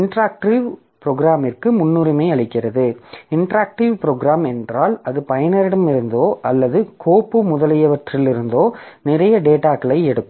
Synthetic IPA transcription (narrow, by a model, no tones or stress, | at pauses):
ɪɳʈɾaːk̚ʈiʋ | pɾoːɡɾaːmɪrkɯmʊnːuːɾɪmɐɪɐɭɪkːɪrɐðɯɪɳʈɾaːk̚ʈiʋpɾoːɡɾaːmɛndraːlɐðɯpɐjɐnɐɾɪɽɐmɪɾɯnd̪oːʔɐlːɐðɯkʰoːpːɯmʊðɐlɪjɐʋɐʈrɪlɪɾɯnd̪oːnɪrɐjɐɖeːʈaːkɐɭɐɪɛɽɯkː